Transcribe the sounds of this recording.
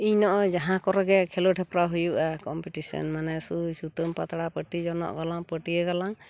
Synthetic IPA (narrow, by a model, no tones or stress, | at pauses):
iɲnɔʔɔd͡ʒaɦãkɔɾɛɡɛkʰɛloʈʰɛpɾaɦujuʔakɔmpiʈisɔ̰nmanɛsusut̪əmpa̰t̪aɽapəʈid͡ʒɔnɔ̰ʔɡalaŋpəʈiɛɡalaŋ